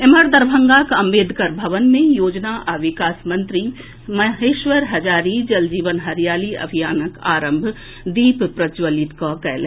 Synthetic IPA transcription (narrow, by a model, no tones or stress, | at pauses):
eməɾd̪əɾbʱə̃ŋɡakɐ̃mbeːd̪ʱkəɾbʱɐʋənmẽjoːd͡ʒnaʔaːʋɪkaːsmɐ̃nt̪ɾi | mɐɦeːʃʋəɾɦɐd͡ʒaːɾid͡ʒɐld͡ʒiːʋənɦɐɾjaːliɐ̰bʱijaːnəka̰ːɾə̃mbʱ | d̪iːppɾɐd͡ʒʋəlit̪kakɛːlɦ